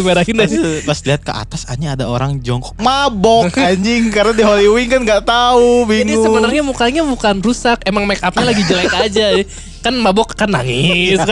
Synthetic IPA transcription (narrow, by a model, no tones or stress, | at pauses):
meɾahinasbasliɦat̪̚kə̰ʔa̰t̪asa̰ɲaːdaoɾaŋd͡ʒɔŋkɔ̥k̚mabɔkaɲd͡ʒɪŋkaɾənadiɦoliwɪŋkanɡaʔt̪aubiŋsəbənarɲabukaɲabukanrusakemaŋmɛkap̚ɲalaɡid͡ʒəlakad͡ʒajɛ | kanmabɔkːanːa̰ŋɪsk